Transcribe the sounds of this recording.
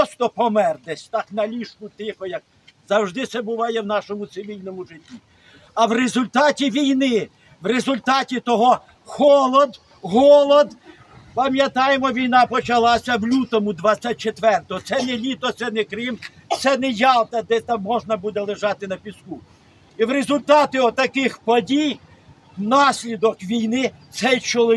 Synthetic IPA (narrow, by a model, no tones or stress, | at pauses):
ɔst̪ɔpɔmɛrd̪ɛsʲt̪ɑknɐlʲiʃkʊt̪ɪxɔjɐk̚ | zɐwʒd̪ɪsɛbʊʋɑjɛwnɑʃɔmʊt̪sɪʋʲilʲnɔmʊʒɪtʲːi | ɐwrezʊlʲt̪ɑtʲiʋʲijnɪ | wrezʊlʲt̪ɑtʲit̪ɔɦɔ | xɔlˠɔd̪ | ɦɔlˠɔd̪ | pɐmjɐt̪ɑjemɔʋʲijnɑpɔt͡ʃɐlˠɑsʲɐwlʲut̪ɔmʊd̪ʋɑt͡sʲːɐt̚ʲt͡ʃet̪ʋɛrt̪ɔɦɔt̪sɛnɛlʲit̪ɔt̪sɛnɛkɾɪmt̪sɛnɛjɑlˠt̪ɐd̪ɛt̪ɑmːɔʒnɐbud̪ɛlˠɪʒɑt̪ɪnɐpʲisku | iwɾezʊlʲt̪ɑt̪ɪɔt̪ːɐkɪxpɔdʲij | nɑsʲlʲid̪ɔkʋʲijnɪt̪sɛt͡ʃɔlˠɪ